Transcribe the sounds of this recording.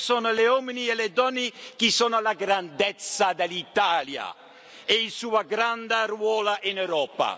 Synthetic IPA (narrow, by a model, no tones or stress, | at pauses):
sɔːnʊleɔminiɛlɛd̪ɔnːik̟isɔːnalaɡɾand̪ɛt̪sːad̪elit̪aːlja̰ | ɛilsuːaɡɾand̪arwɔːlaʔinɛwɾɔːpa̰